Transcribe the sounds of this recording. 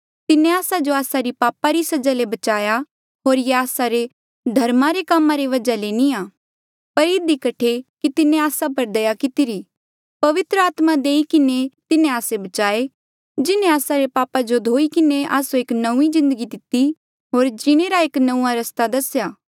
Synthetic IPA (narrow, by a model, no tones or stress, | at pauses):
t̪ɪnẽaːsad͡ʒoaːsaɾipaːpaɾisɐd͡ʒalebɐt͡ʃaːja | ɦoːɾjeaːsaɾe | d̪ʱɐɾmaɾekaːmãɾeʋɐd͡ʒalenĩaː | pɐɾɪd̪ikɐʈʰekit̪ɪnẽaːsap̬ɐɾd̪ɐjakɪt̪iɾiː | pɐʋɪt̪ɾəaːt̪mad̪eːikɪnet̪ɪnẽaːsebɐt͡ʃaːe | d͡ʒɪnẽaːsaɾepaːpad͡ʒod̪ʱoːikɪneʔa̰ːsoeːknɐũizɪ̃nd̪əɡid̪ɪt̪i | ɦoːɾd͡ʒɪɽ̃eɾaeːknɐũaɾɐst̪ad̪ɐsjaː